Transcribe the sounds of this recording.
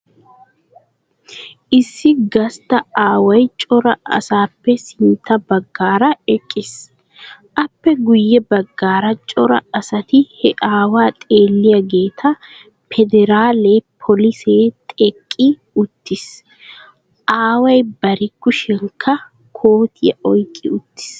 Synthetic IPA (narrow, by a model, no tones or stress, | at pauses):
ʔɪsːɪɡɐst̪ɐaːwɐjt͡ʃʼɔɾɐʔɐ̰saːpːɛsɪnt̪ːɐbɐɡːaːɾɐɛkʼːɪs | ʔɐpːɛɡʊjːɛbɐɡːaːɾɐt͡ʃʼɔɾɐ̰ɐsɐt̪ɪhɛʔaːwaːt̪ʼeːlːɪjɐɡeːt̪ʰɐ | pʰɛd̪ɛɾaːleːpʰɔlɪseːt̪ʼɛkʼːɪ | ʊt̪ːɪs | ʔaːwɐjbɐɾɪkːʊʃɛŋkʰɐ | kʰoːt̪ʰɪjɐ̰ʔɔjkʼːɪʊt̪ːɪ̥s